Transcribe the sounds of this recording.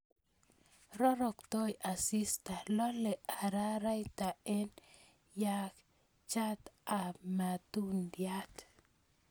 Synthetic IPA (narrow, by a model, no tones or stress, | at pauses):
ɾoɾokt̪ojasist̪aloleaɾaɾajt̪aen | jak | t͡ʃat̪amat̪und̪jat̪